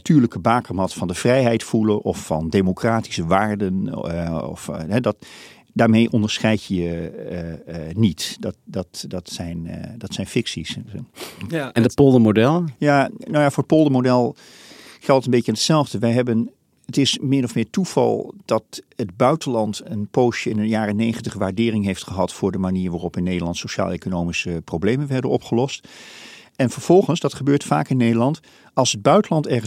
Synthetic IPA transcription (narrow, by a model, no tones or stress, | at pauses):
atʰyːɹləkəbaːkəɹmɑtfɑndəv̥rɛjɦɛjtfuləʔɔ̰fːɑ̰ndemokraːti̥səʋaːɹdən | ɔ̰fɦɛdɑt | daːɹmejʔɔndəɹsχɛjtəjə | nitddɑtdɑtsɛjndɑtsɛjnfɪksis | ɛndəpolˠdəmodɛlˠjanowjafʊːɹət̚polˠdəmodɛlˠ | χɛlˠtətəmbejjənətsɛlˠvdəʋɛjɦɛbən | ətɪsmɪnɔfmɪːɹtuv̥ɑ̰lˠd̥ɑtəd̚bœɥtənlɑntənpowʃəɪnəjaːrənejχəntəχʋaːɹdɪːrɪŋɦejftχəɦɑtfʊːɹdəmaniːɹʋaːrɔpɪnːejdəlɑntsoʃa̰ːlˠḛjkonowmisəprowblejmənʋɛɹdənɔpχəlɔst | ɛnfəɹv̥ɔlˠχənsdɑtχəbøːɹtfa̰ːkɪnːejdəɹlɑnt | ɑlˠsəd̚bœɥtəlɑntɛɹχə